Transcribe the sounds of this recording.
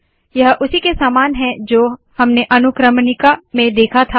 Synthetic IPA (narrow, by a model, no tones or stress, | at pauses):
jɐɦʔʊsikesaːmaːnɦɛ̃d͡ʒoː | hɐmneʔɐnʊkɾəmnɪkamẽd̪eːkʰat̪ʰa